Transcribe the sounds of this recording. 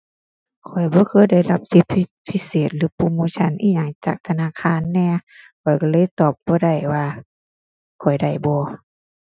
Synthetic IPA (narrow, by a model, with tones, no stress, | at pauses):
kʰɔ˨˩jbɔː˧˦kʰɤː˧˥˨jda˧˩jla˧p̚si˧˦p̪̚ʰi˧ | pʰːi˧˥seː˨˩t̪̚lɯː˨˦puː˧˨muː˧t͡ɕʰa˧˥˨nʔiː˧˩ɲa˧˩ŋt͡ɕa̰ː˨˩k̚t̪ʰa˧naː˧˥˨kʰaː˧˨nːɛː˧˩kʰɔ˨˩jkɔ˧˩lɤː˧˥˨jt̪ɔː˨˩p̚bɔː˧˦da˧˩jwaː˧ | kʰɔ˨˩jda˧˩jbɔː˧˦